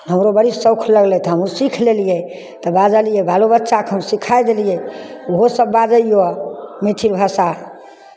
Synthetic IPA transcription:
ɦəmɾobəɽisəʊkʰləɡlɛt̪ɔɦəmɾusikʰlelijɛ | t̪ɔbad͡ʒəlijɛbʱalobət̪ːʃakɦəmsikʰajd̪elijɛoɦosəbːad͡ʒəijomit̪ʰilbʱasa

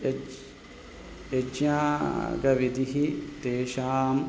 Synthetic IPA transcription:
ed͡ʒjaːɡɐʋid̪iɦit̪eːʃaːm

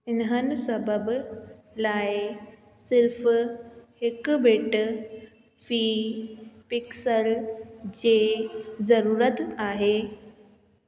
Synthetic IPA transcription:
ɪnɦənɪsɐbəb | laːɪ | sɪɾf | hɪkbeːʈ | fiː | pɪksəld͡ʑeːzɐɾuːɾət̪aːɦeː

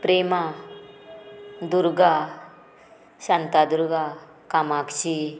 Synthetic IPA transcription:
pɾema | d̪uɾɡa | ɕant̪ad̪uɾɡa | kamakt͡ɕi

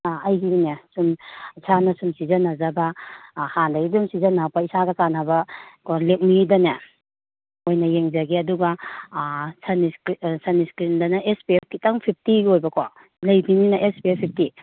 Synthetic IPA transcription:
ajɦiɾinesumsʰanasumsizanazabahandaɡidumsizanapaisaɡakanabakʰolek̚midane | ojnɐjeŋzaɡiɐduɡa | sʰanisksʰaniskɾindanaʔespiep̚kitaŋpʰip̚ʰtiɡojbɐkʰa | lɐjbininaʔespiepʰip̚ʰti

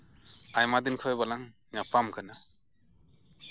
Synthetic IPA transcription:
ajmad̪inkʰɔjbalaŋ | napamkʰanɯ

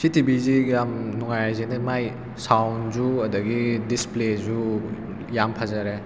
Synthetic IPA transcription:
sitibizijamnuŋajzinɐmaj | sawnzuɐdɐɡidisplezu | jampʰazaɾe

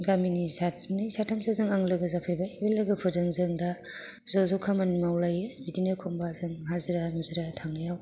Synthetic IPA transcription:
ɡaminisa | nisatʰːamsʰazɯŋaŋlɯɡɯzapʰɯjbaibelːɯɡɯpʰɯdɯŋzɯŋda | zɔzɔkʰamanmawlajɯbidinɯkʰɔmbazɯŋɦazɯɾamuzɯɾatʰaŋnajaw

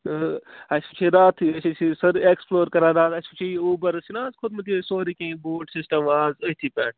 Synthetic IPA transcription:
ɐsput͡ʃʰiɾaːt̪ʰɐsit͡ʃʰisɐɾeksploːɾkɐɾãːɾaːt̪ɐsʲput͡ʃʰiuːbɐɾɐsinãːzkʰʊd̪̚mɐt̪isoːɾikẽːboːɖsisʈɐmaːzəɦt̪ʰiːpʲaːn

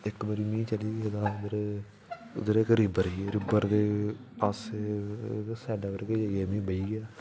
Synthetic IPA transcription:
ɪkbəɾiːmĩːt͡ʃəliːɡed̪ãːd̪əɾe | ʊ̰d̪əɾekɾɪbəɾieːɾɪbəɾd̪eː | paːs | sɛːɖaːbəɾkeeeːmĩːbəiːɡɪaː

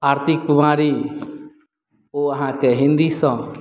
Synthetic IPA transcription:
aɾt̪ʰikkumaɾi | oaɦãkɛɦĩnd̪isɔ̃

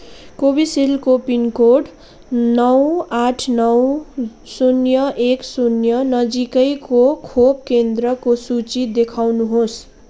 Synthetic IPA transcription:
kobisilkopinkoɖ | nʌwaʈʰnʌw | sunjʌʔeksunjʌnʌd͡zikʌjkokʰob̚kend̪ɾʌkosut͡sid̪ekʰawnuɦos

